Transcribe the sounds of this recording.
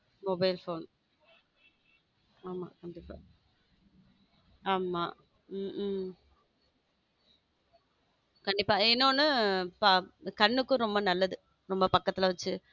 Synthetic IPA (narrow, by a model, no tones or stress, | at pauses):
mɔbɐɪlfoːn | aːma̰ːkɐɳɖɪpːaː | aːmaː | kɐɳɖɪpːaːɪnːoːnɯpakɐɳːɯkːɯ̃ɾɔmbɐnɐlːɐðɯ | ɾɔmbɐpɐkːɐt̪ːɪlɐʋɐt͡ʃːɯ